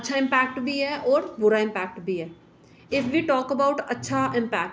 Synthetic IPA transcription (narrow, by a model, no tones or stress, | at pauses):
ɐtːʃʰaɪ̃mpɛːk̚ʈbʱiɦɛʔɔːɾbʊɾaɪ̃mpɛːk̚ʈbʱiɦɛː | ɪfʋiːʈɔːkəbaʊʈɐtːʃʰaʔɪ̃mpɛːk̚ʈ